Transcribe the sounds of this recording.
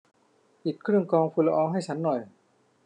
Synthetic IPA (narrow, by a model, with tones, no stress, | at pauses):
pi˨˩t̪̚kʰɾɯ˥˩əŋkɔː˧ŋfʰu˧la˧ʔɔː˧ŋɦa˥˩jt͡ɕʰa˦˥nːɔ˨˩j